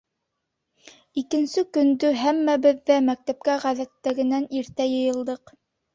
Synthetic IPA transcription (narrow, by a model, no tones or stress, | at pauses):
ikɘ̆nsɘkɵ̆nd̪ɵɦæmːæbɘ̆ðːæmæk̚t̪æp̚kæʁæðæt̪ːæɡɘ̆næniɾt̪æjɤ̆jɤ̆lˠd̪ɤq